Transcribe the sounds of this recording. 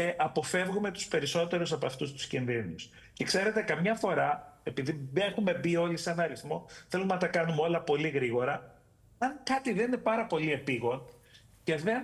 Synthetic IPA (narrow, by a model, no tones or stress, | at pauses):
ʔɐpo̞fe̞vɣume̞t̪u̥spe̞ɾiso̞t̪e̞ɾusɐpoɐft̪ust̪u̥scinðinus | ce̞kse̞ɾe̞t̪e̞kɐmɲɐfo̞ɾɐe̞piðie̞xume̞bio̞lisɐnɐɾiθmo̞θe̞lumenɐt̪ɐkɐnumeo̞lɐpo̞liɣɾiɣo̞ɾɐ | ɐŋkɐt̪iðenine̞pɐɾɐpo̞lie̞piɣo̞n | ce̞ðe̞n